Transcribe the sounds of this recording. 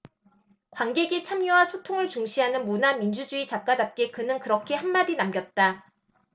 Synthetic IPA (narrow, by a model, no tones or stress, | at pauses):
kwanɡe̞ɡet͡ɕʰamɲuwasʰotʰoŋɯɭt͡ɕuŋɕʰiɦanɯnmunamind͡ʑud͡ʑuit͡ɕak͈adap̚k͈ekɯnɯnkɯɾʌkʰe̞hanmadinamɡjʌt̚t͈a